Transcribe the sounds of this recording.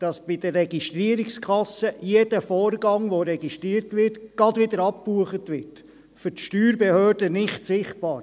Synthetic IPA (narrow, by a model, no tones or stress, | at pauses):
d̥ɑsb̥ɪdəːɛɡiʃtɾiəɾikskʰɑsəjedəfoːɾɡɑŋʋoɾɛɡiʃtɾiːəɾtʋɪrtɡ̥ɑdʋɪd̪əɾɑp̚puəχətʋɪɾt | fʏɾtʃtyːɾbɛhøːd̥ənɪχtsɪχt̚b̥ɑːɾ